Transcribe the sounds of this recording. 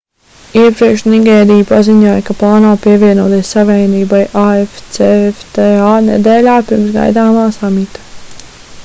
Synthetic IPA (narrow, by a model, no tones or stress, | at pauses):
iɛpɾiɛkʃniɡɛːɾiːpaziɲuɔjkaplˠaːnaːpiɛvʲiɛnuɔt̪iɛsːaʋʲɛjniːbajʔaeft̪seft̪eaːnɛ̰d̪ɛːlʲaːpiɾmsɡa̰jd̪aːmaːsamit̪ḁ